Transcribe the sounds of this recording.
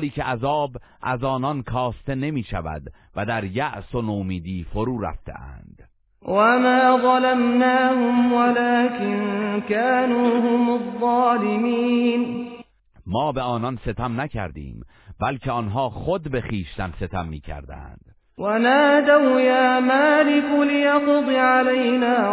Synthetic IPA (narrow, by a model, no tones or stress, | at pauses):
liːcʰeʔæzɒːb | ʔæzɒːnɒnkʰɒːst̪e̞ne̞miːʃæ̰væ̰d̪ | væd̪æɾjæʔsonoːmiːd̪iːfoɾuːɾæ̰ft̪ʰe̞̰æ̰nd̪̥ | wamaːðˤɑlamnaːhʊmwalaːkɪnkaːnuːhʊmɑðˤːɑːlɪmiːn | mɒːbeɒːnɒnse̞t̪ʰæmnæcʰæ̰ɾd̪ḭːm | bælkcʰeɒnɦɒːχod̪be̞xiːʃt̪æmse̞t̪ʰæmːiːcʰæ̰ɾd̪æ̰nd̪̥ | wanaːd̪awjaːmaːlɪkʊlɪjɑqʊd̪ˤɪʕalajnaː